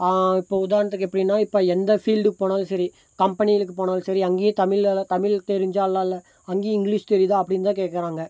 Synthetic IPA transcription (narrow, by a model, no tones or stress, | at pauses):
aɪpːoːʊðaːɾnɐt̪ːɯkːɛpːɐɽɪnːaːɪpːoːɛnd̪ɐfiːlɖɯkːɯpoːnaːlsɐɾi | kɐmpɐnɪjɐlɯkːɯpoːnaːlsɐɾiɐŋɡeːt̪ɐmɪɭlt̪ɐmɪlt̪ɛɾɪɲd͡ʒaːlːãːɪlːɐ | ɐŋɡeːɪŋɡliːʂt̪ɛɾɪðaːɐpːɐɽɪnːt̪ãːkeːʈkːɐɾaːŋɡɐ